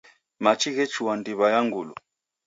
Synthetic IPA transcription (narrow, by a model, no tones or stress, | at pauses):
mat͡ʃʰiɣɛt͡ʃʰuwandiβajaŋɡuːlṵ